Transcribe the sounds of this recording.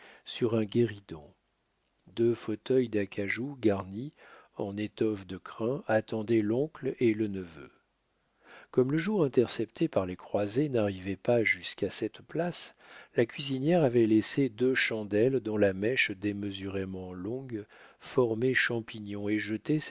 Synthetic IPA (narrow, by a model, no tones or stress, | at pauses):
syʁɛ̃ɡʲeʁid̪ɔ̰̃ | d̪øfot̪œjd̪akʰaʒuɡaʁniɑ̃net̪ɔfd̪əkχɛ̃at̪ɑ̃d̪ɛlɔ̃klelənəvø̰ | kɔmləʒuʁɛ̃t̪ɛʁsɛpt̪ʰepaʁlekχwazenaʁivɛpaʒyskasɛt̪plas | lakʲɥizinjɛʁavɛlesed̪øʃɑ̃d̪ɛld̪ɔ̃lamɛʃd̪eməzyʁemɑ̃lɔ̃ɡ | fɔʁmɛʃɑ̃piɲjɔ̃eʒət̪ɛ